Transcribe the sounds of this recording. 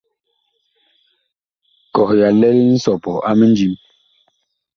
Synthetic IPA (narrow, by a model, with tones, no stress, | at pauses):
kɔ˨hja˨lɛ˦li˦n̩˦sɔ˨pɔ˨a˦mə˦n˦d͡ʒi˦m